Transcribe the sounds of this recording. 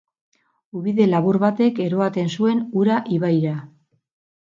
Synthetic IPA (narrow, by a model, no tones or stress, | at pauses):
uβiðe̞laβuɾβat̪e̞ke̞ɾo̞at̪e̞nsue̞nuɾaʔiβajɾa